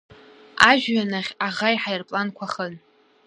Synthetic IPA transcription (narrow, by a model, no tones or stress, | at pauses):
aʒᶣɥanaʁʲaʁajħajrpʼlankʷʰaχən